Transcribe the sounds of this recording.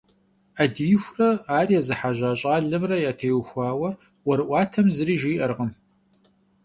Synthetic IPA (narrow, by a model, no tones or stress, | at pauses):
ɐdijxʷrɐaːrijazɨħaʒaːɕʼaːɮɨmrɐjaːtʰejuxʷɑːwɐ | wɔɾɨʔʷɑːtʰɐmzɨɾiːʒiːʔɐrʁəm